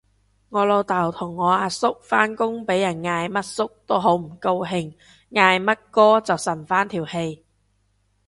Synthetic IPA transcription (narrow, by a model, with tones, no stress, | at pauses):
ŋɔː˨˧lo˨˧wt̪aː˨˩wt̪ʰʊ˨˩ŋːɔː˨˧aː˧sʊ˥k̚faː˥nkʊ˥ŋpe˨˥jːɐ˨˩nŋaː˧jmɐ˥t̚sʊ˥k̚t̪o˥wɦo˨˥wm̩˨˩ko˧wɦɪ˧ŋ | ŋaː˧jmɐ˥t̚kɔː˥t͡sɐ˨wsɐ˨˩nfaː˥nt̪ʰiː˨˩whe˧j